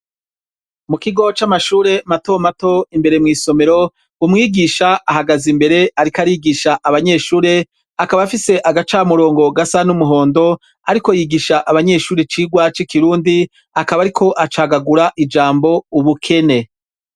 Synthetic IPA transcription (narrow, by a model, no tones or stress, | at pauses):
mukiɡo̞t͡ʃamaʃuːɾe̞mato̞mato̞imbe̞ɾe̞mŋiːso̞me̞ɾo̞ | umŋiːɡiʃaʔaɦaɡazimbe̞ɾe̞aɾikaɾiːɡiʃaʔaβaɲe̞ːʃuːɾe̞ | akaβafise̞ʔaɡat͡ʃaːmuɾo̞ːŋɡo̞ɡasanumuɦo̞ːndo̞ | aɾiko̞jiɡiʃaʔaβaɲe̞ʃuːɾet͡ʃiːɡwat͡ʃikiɾuːndi | akaβaɾikʰo̞ʔat͡ʃaːɡaɡuɾaʔid͡ʒaːmbo̞uβukʰe̞ne̞